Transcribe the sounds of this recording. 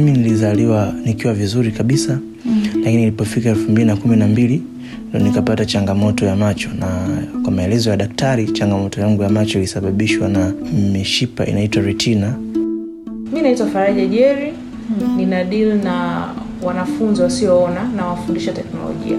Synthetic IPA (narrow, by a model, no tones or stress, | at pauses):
minilizaliwanikiwavizuɾikaɓisa | lakininilipɔfikaɛlfumbilinakuminambili | ndiɔnikapatat͡ʃaŋɡamɔtɔjamat͡ʃɔnakwamaɛlɛzɔjaɗaktaɾit͡ʃaŋɡamɔtɔjaŋɡujamat͡ʃɔilisaɓaɓiʃwanamiʃipa̰ʔḭnaitwaɾutʰina | minaitwafaɾaʄaʄɛɾi | ninaɗilna | wanafunziwasiɔɔnanawafundiʃatɛknɔ̰lɔ̰ʄḭa̰